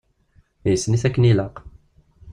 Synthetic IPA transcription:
jəsːniθækːəniləq

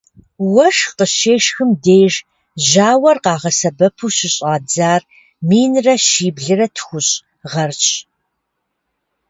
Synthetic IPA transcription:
wɐʂqəɕeːʂxɨmdeːjʐ | ʑaːwɐrqɑːʁɐsɐbɐpʰuɕɪɕʼaːd͡zaːr | miːnrɐʃiːbɮɨrɐtʰxʷʊɕʼ | ʁɐrt͡ʃʼ

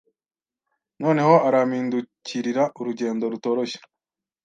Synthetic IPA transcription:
no̞ːne̞ho̞aɾamiːnduciɾiɾaʔuɾuɟe̞ːndo̞ɾuto̞ːɾo̞ʃe̥

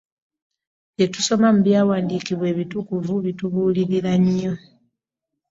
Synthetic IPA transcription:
jetuso̞mamuβjaːwaːndikiβwe̞ːβitukuvuβituβuːliɾiɾaɲijo

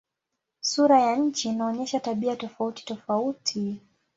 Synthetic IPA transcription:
suɾajaɲ̩t͡ʃinaɔɲɛʃataɓiatɔfauti̥tɔfautʰi

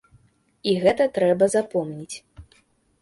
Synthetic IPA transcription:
iɣɛt̪ɐt̪ɾɛbɐzapɔmnʲit͡sʲ

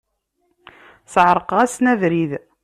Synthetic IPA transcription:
səʕɾˤəqʁæsnæðɾið

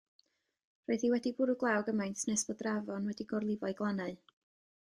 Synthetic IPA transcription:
rɔɨðiwɛdibʊɾʊɡlˠawɡəmajntʰnɛsb̥ɔdravɔnwɛdiɡɔrlˠɪvɔɨɡlˠanaɨ

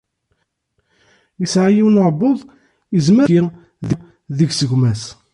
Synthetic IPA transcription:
jəsʕajiwnoʕbːoðˤ | əzməi | ðə | ðəʝsəʝmæs

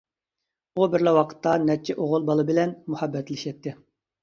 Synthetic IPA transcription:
ubɪɾlɛwɑqʰə̥t̪ʰːɑnɛt͡ʃʰɛʔoʁʊlˠbɑlˠɨbɪlɛnmuhɛbːɛt̪lɪʃɛt̪ʰːɪ

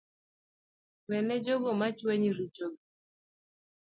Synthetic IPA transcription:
wɛnɛd͡ʒoɡɔmat͡ʃweɲiɾut͡ʃoɡ

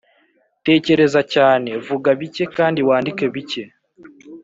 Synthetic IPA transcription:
te̞ːce̞ɾe̞zacaːne̞vuɡaβice̞kaːndiwaːndike̞βice̞

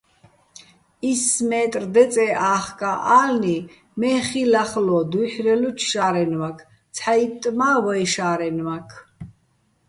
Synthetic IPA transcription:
ismɛːt̪ʼrd̪ɛt͡sʼɛʔaːχkʼaʔaːlni | mɛːχilaχlɔd̪uħɾɛlut͡ʃʰʃaːɾɛnmakʰ | t͡sʰħait̪ʼmaːvɔjʃaːɾɛnmakʰ

